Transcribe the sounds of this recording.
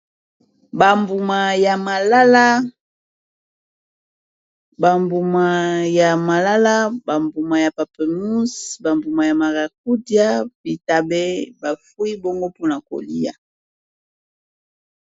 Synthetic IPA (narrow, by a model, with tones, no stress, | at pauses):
ba˨mbu˨ma˨ja˨ma˨la˦la˦ | ba˨mbu˨ma˨ja˨ma˨la˦la˦ba˨mbu˨ma˨ja˨pa˨pɛ˨mu˦sba˨mbu˨ma˨ja˨ma˨ɡa˨k̚u˦dja˦bi˨ta˨bɛ˦ba˨fu˦i˦bo˦ŋɡo˦pu˦na˨ko̰˨lḭ˦ja̰˨